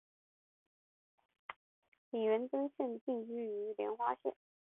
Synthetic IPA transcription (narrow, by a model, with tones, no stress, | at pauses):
li˨˩ɥə˧˥nt͡sə˥ŋɕə˥˧nt͡ɕi˥˩ŋy˥˩y˧˥ljɛ̰˧˥nxwa˥ɕɛ̰˥˩n